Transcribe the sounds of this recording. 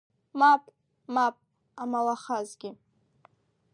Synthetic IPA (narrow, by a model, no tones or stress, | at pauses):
mapʼ | mapʼ | amalaχazɡʲɪ